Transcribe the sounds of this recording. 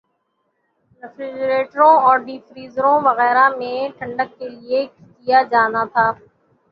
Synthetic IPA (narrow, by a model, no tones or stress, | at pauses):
ɾɪfɾid͡ʒɾeːʈəɾõɔːɾɖiːfɾiːzɾõʋɐɣɛːɾamẽʈʰɐ̃ɳɖəkːeliekkijad͡ʒaːnat̪ʰaː